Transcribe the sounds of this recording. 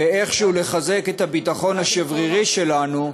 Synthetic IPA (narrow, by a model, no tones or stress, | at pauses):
ee̞χʃeuleχaze̞ket̪habit̪aχo̞nhaʃevʁiʁiʃe̞lanu